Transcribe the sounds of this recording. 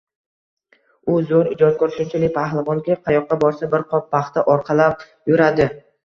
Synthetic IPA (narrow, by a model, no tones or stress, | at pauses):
ʊzoɾɪd͡ʒɒt̪̚kʰɵɾʃʊmt͡ʃʰɪlɪk̚ʲpʰahlˠavɒŋɡʲaqʰɑjɒqːɑbɒɾsabɪɾqʰɒp̚ːaχt̪aʔɒɾqʰɑlap̚ | jʊɾad̪ɪ